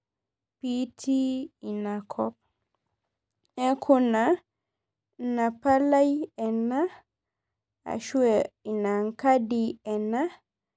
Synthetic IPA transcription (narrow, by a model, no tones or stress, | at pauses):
pitʰiinakʰɔp̚ | ɛkʰɔna | napalajɛna | a̰ʃuɛinaŋkadiɛna